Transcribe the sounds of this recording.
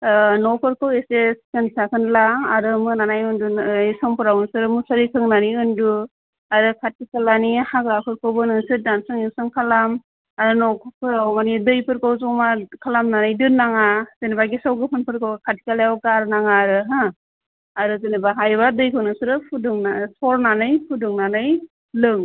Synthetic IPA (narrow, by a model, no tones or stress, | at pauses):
nɔpʰɯɾkʰɯweseskɯnsakʰɯnlaːɾɯmɯnanajɯndunisɔŋpʰɯɾawnɯsɯɾɯmusaɾikʰɯŋnaniɯndu | aɾɯkʰat̚kikalanihakɾapʰɯɾkʰɯwbɯnɯnsɯdansɯŋiwsɯŋkʰalam | aɾɯnɔkʰpʰɯɾawmanidɯjpʰɯɾkʰawzuŋmakʰalamnanɯjdɯnːaŋaz̥enibaɡisawɡɯpʰɯnpʰɯɾkʰawɡɯkʰat̚i̥kalajawkaɾnaŋaɾɯɦa | aɾɯzenibaɦajbadɯjkʰɯwnɯsɯɾɯpʰuduŋnasɔɾnanɯjpʰuduŋnanɯj | lɯŋ